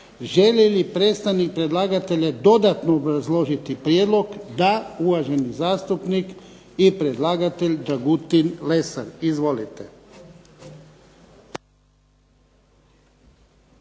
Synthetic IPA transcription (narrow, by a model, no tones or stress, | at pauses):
ʒelelipɾeːt̪st̪aʋnik̚pɾed̪laːɡat̪eʎad̪o̞d̪at̪noːbɾazlˠo̞ʒit̪ipɾjeːd̪lˠo̞ɡd̪auʋaʒe̞nizaːst̪upnik | ipɾed̪lˠaːɡat̪e̞ʎʲd͡ʒaɡut̪inlesaɾizʋo̞lit̪e